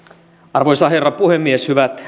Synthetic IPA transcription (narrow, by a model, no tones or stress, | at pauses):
ɑrʋojsɑherːɑpuhemːieshyʋæt̪